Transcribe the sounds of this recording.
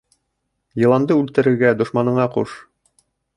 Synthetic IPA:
jɤ̆lˠɑnd̪ɤʉlt̪ɘ̆ɾɘ̆ɾɡæd̪ŏʃmɑnɤ̆ɴɑquʃ

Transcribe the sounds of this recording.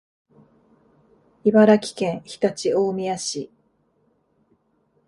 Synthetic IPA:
ibaɾakʲi̥kẽ̞ɰ̃çi̥t̪at͡ɕiomʲijaɕi

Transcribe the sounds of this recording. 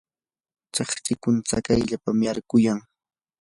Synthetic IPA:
t͡sɑχt͡sɪkʊnt͡sakajʎapamjaɾkʊjaŋ

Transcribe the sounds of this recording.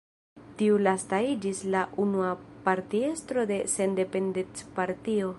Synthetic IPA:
tiulastaid͡ʒislaʔunuapaɾtie̞stɾo̞de̞se̞nde̞pe̞ndet͡spaɾtio̞

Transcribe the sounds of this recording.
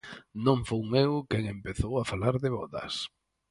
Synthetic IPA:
nõŋfowmewkɛŋempeθowafalaɾðɪβɔðɐ̰s

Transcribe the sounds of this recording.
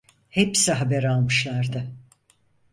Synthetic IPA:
hepsiɦabæɾalˠmɯʃlˠaɾd̪ɯ

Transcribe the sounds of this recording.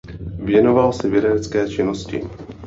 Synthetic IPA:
vjɛno̞valsɛvjɪɾɛdɛt͡skɛːt͡ʃɪno̞scɪ̰

